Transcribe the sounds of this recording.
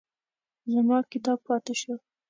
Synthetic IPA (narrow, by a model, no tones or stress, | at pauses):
zamɑkɪt̪ɑb̚pɑt̪ɪʃə